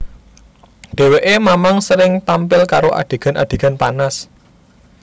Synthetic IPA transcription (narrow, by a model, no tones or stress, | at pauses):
ɖ̪̥e̤weʔemamaŋsəɾɪŋt̪ampɪlkaɾoʔa̰ɖ̥e̤ɡ̥a̤na̰d̥e̤ɡ̥a̤npanas